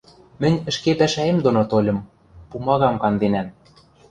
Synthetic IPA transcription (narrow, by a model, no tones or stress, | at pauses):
mɘ̆nʲɘ̆ʃkepæʃæemd̪onot̪olʲɤ̆m | pumɑɣɑmkɑnd̪enæn